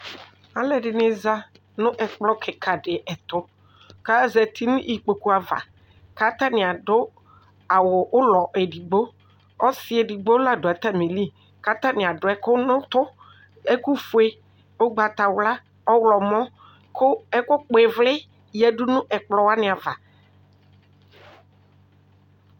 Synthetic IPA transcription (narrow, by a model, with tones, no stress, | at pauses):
a˨lɛ˨dɪ˨nɪ˨za˦ | nʊ̃˦ʔɛ˨k͡plɔ˦kʰɪ˨kʰa˨ɖɪ˨ʔɛ˨t̪ʊ˦ | ka˦˨zɛ˨t̪ʰi˦nʊ̃˦ʔi˨k͡po˨ku˦a˨va̰˨ | ka˦t̪a˦nɪ̃˨a˨dʊ˦ | a˨wʊ˨ʔʊ˦lɔ˨ʔɛ˨di˨ɡ͡bo˦ | ɔ˦sɪ˦ɛ˨di˨ɡ͡bo˦la˦˨dʊ˨a˨t̪a˦mi˨li˦ | ka˦t̪a˦nɪ̃˨a˨ɖʊ˨˦ɛ˦kʊ˦nʊ̃˦t̪ʊ˦ | ɛ˦ku˦fʊ˨˦e˦ | ʊ˦ɡ͡ba˨t̪a˨wla˦ | ɔ˦wlɔ˨mɔ̃˦ | kʊ˦ɛ˦kʊ˦k͡pe˨vlɪ˦ | jɛ˨ɖʊ˦nʊ̃˦ʔɛ˨k͡plɔ˨wa˦nɪ̃˨a˨va˨